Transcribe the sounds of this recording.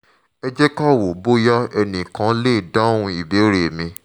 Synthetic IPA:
ɛ˦d͡ʒɛ˦kɔ˦˨wo˨bo˦jɔ˦ɛ˧nĩ˨kã˨˦le˦i˨dã˦o˦hũ˧i˨be˨˦ɾe˨mĩ˧

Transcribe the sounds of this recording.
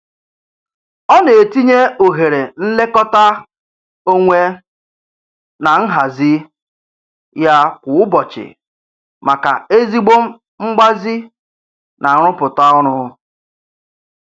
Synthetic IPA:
ɔ˦ne˨e˨ti˦ɲe˦o˨ɦe˨ɾe˨n̩˦le˦kɔ˦ta˦ | o˦ŋʷe˦ | na˨ŋ̩˦ɦa˨zɪ˦ | ja˦kʷʊ˨ʊ˦bɔ˨t͡ʃɪ̰˨ | ma˨ka̰˨e˦zi˦ɡ͡bo˦m̩˦ | ŋ͡m̩˦ɡ͡ba˦zi˦ | na˨˦ɾʊ˦pʊ˨ta˦ɔ˦ɾʊ˦

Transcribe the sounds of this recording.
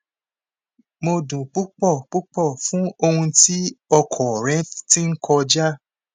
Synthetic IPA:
mo˧dũ˨k͡pu˦k͡pɔ˦˨k͡pu˦k͡pɔ˦˨fũ˦o˧hũ˧ti˦ɔ˧kʰɔ˨ɾɛ̃˦tti˦ŋ̩˦kʰɔ˧d͡ʒa˦

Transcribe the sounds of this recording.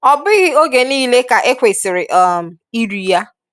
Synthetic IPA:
ɔ˨bɪ˦ɣɪ˦o˦ɡe˨niː˦le˦ka˨ʔe˦kʷe˨sɪ˨ɾɪ˨ʔɔ˦˨m̩˨i˦ɾi˨ja˦

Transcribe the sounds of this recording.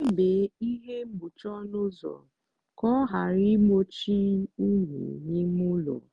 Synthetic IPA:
e˦be˨i˦ɦe˦mu˨t͡ʃɔ˦nʊ˦zɔ̰˨ | kɔ˦ɦa˨ɾi˦mo˦t͡ʃi˦u˦ɦṵ˨ɲi˦mu˦lɔ̰˨

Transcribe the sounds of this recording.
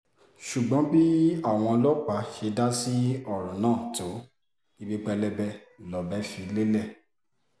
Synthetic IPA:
ʃu˨ɡ͡bɔ̃˨˦bi˦a˦˨w̃ɔ̃˧lɔ˦k͡pa˨˦ʃe˧da˦si˦ɔ˦˨ɾɔ̃˨nãː˦˨to˨˦ | i˧bi˦k͡pɛ˧lɛ˧bɛ˧ | lɔ˨˦bɛ˦fi˧˨˦le˦lɛ˦˨

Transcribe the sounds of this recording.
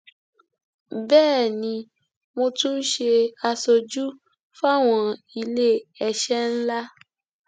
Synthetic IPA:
bɛː˦˨nĩ˧ | mo˧tũ˦n̩˦ʃe˧a˧so˧d͡ʒu˦ | fa˦˨w̃ɔ̃˧ | i˧le˦ɛ˧ʃɛ˦n̩˦la˦

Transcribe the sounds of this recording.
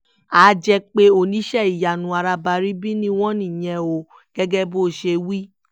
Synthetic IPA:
a˨˦d͡ʒɛ˧k͡pe˦o˨nĩ˨˦ʃɛ˦˨i˨ja˨nũ˨˧˦a˧ɾa˧ba˧ɾi˦bi˦nĩ˧w̃ɔ̃˦nĩ˦˨j̃ɛ̃˧o˧ | ɡ̥ɛ˦ɡɛ˦bo˦˨ʃe˧wi˦

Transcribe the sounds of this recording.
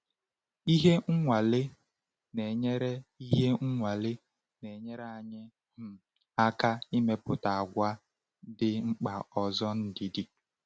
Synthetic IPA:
i˦ɦe˦ŋ̩˦ŋʷa˨le˦ | ne˨ɲe˦ɾe˦i˦ɦe˦ŋ̩˦ŋʷa˨le˦ | ne˨ɲe˦ɾa˨ɲɪ˦ | m̩˨ | a˦ka˦i˦me˦pʊ˨ta˨a˨ɡʷa˦ | dɪ˦ŋ͡m̩˦k͡pa˨ɔ˨zɔ˦n̩˦dɪ˨di˦

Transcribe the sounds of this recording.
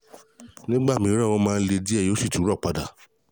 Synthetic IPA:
nĩ˦ɡ͡ba˦˨mĩ˨˦ɾa˦˨wɔ̃˧mãː˦˧n̩˦le˧di˦ɛ˦˨jsi˦˨ti˨˦ɾɔ˦˨k͡pa˨da˨

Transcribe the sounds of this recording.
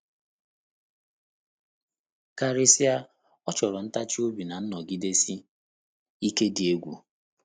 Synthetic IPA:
ka˨ɾɪ˦si˦a˦ | ɔ˦t͡ʃɔ˨ɾɔ˨n̩˦ta˦t͡ʃi˦o˦bi˨na˨n̩˦nɔ˨ɡi˦de˦si˦ | i˦ke˦di˨e˦ɡʷu˨

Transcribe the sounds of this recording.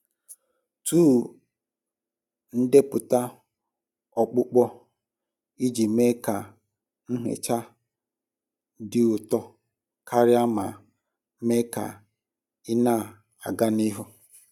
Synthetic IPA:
tuː˦˨ | n̩˦de˦pʊ˨ta˦ | ɔ˨k͡pʊ˦k͡pɔ˦ | i˦d͡ʒi˨me˦ka˨ | ŋ̩˦ɦḛ˨t͡ʃa˦ | dɪ˨ʊ˨tɔ˦ | kʰa˦ɾɪ˦a˦ma˨ | me˦ka̰˨ | ɪ˦na˦˨ | a˨ɡa˦ni˦ɦʊ˦

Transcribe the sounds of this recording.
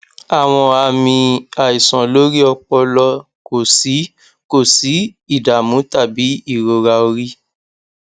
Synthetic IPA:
a˨w̃ɔ̃˧a˦˨mĩ˧a˨i˨sɔ̃˨lo˦ɾi˦ɔ˧k͡pɔ˧lɔ˧ | ko˨si˨˦ | ko˦˨si˨˦i˦˨da˨mũ˨˦ta˦˨bi˨˦i˦˨ɾo˨ɾa˧o˧ɾi˦

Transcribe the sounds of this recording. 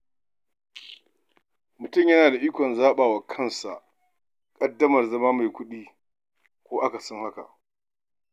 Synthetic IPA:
mʊ˨tʊ˦˨mjɐ˦naː˨da˨ʔiː˦kʷɔ˨nzaː˦ɓaː˨wa˨kʰɐ˦˨nsa˨ʔ | kʼɐ˦dːɐ˦mɐ˨rzɐ˦maː˦ma˨jkʷʊ˦ɗiː˦ | kʷoː˦ʔa˦ka˨sɔ˦ŋha˦ka̰˨ʔ

